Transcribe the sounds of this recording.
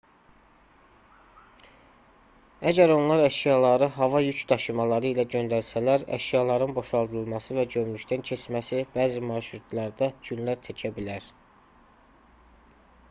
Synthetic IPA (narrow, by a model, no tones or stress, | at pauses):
æɟæɾo̞nlˠɑɾæʃjɑlˠɑɾɯɦɑvɑjyt͡ʃd̪ɑʃɯmɑlˠɑɾɯilæɟø̞nd̪æɾsælæɾæ̰ʃjɑlˠɑɾɯnbo̞ʃɑlˠd̪ɯɾɯlˠmɑsɯvæd͡ʒø̞mlycd̪æncʰesmæsibæːzimɑɾʃɾut̪ʰlˠɑɾd̪æd͡ʒynlæɾt͡ʃ̪ʰæcʰæbilæɾ